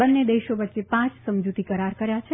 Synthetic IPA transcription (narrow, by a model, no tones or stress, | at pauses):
ənːed̪eʃoʋətːʃepãt͡ʃsəmd͡ʒut̪ikəɾaɾkəɾjat͡ʃʰe